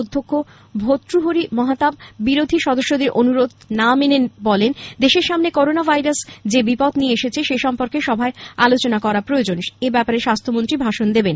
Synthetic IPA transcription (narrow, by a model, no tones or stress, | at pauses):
od̪ʱːokʰːo | bʱot̪ːɾuɦoɾimɔɦat̪abbiɾod̪ʱiʃɔd̪oʃːod̪eɾʔonuɾod̪ʱnamenenbɔlend̪eʃeɾʃamnekoɾonabʱajɾasd͡ʑebipɔt̪nieeʃet͡ɕʰeʃeʃɔmpoɾkeʃɔbʱaealot͡ɕonakɔɾapɾoeod͡ʑonʃebɛpaɾeʃast̪ʰomont̪ɾibʱaʃond̪eben